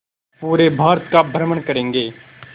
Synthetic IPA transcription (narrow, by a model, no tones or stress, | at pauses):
puːɾebʱaːɾət̪kabʱɾəməɳkɐɾẽːŋɡeː